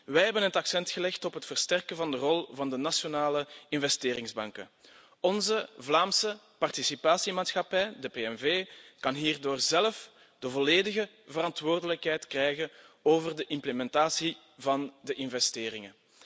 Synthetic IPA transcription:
ʋɛjɦɛbənɦətɑksɛntxəlɛxtɔpɦətfərstɛrkəvɑndərɔlˠvɑndənasjonaːləɪnvɛsteːɾɪŋzbɑŋkə | ɔnzəvlaːmsə | pɑrtisipaːsimaːtsxɑpɛjdəpeːɛnveːkɑnɦiːrdoːrzɛlf | d̥əvɔleːdəɣə | vəɾɑntʋoːrdələkɦɛjtkrɛjɣənoːvərdəʔɪmpləmɛntaːsi | vɑndəʔɪnvɛsteːrɪŋə

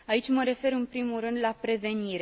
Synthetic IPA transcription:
ait͡ʃʲməɾe̞fe̞ɾɨnpɾimurɨnd̪lapɾe̞ve̞niɾe

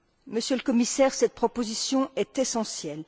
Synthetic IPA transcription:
məsjøləkɔmisɛʁsɛt̪̚pχɔpozisjɔ̃ɛt̪esɑ̃sjɛl

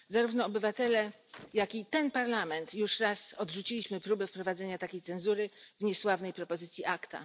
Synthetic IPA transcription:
zaɾuvnɔːbɘvat̪ɛlɛ | jakʲit̪ɛnpaɾlamɛnt̪juʂɾasɔd̪ʐut͡ɕilʲiɕmɘpɾubɛfpɾɔvad̪zɛɲat̪akʲejt̪sɛnzuɾɘvɲɛswavnɛjpɾɔpɔzɘt̪sʲjiʔakt̪a̰

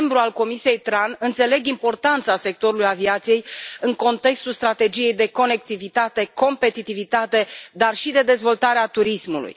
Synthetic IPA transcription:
mbɾualko̞misije̞jt̪ɾanɨnt̪se̞le̞ɡimpo̞rt̪ant̪sase̞k̚t̪o̞ɾulujaviat̪sije̞jɨŋko̞nt̪e̞kst̪ulst̪ɾat̪e̞d͡ʒije̞jd̪e̞ko̞ne̞k̚t̪ivit̪at̪e̞ko̞mpe̞t̪it̪ivit̪at̪e̞d̪arʃid̪e̞d̪e̞zvo̞lt̪aɾeat̪uɾismulṵj

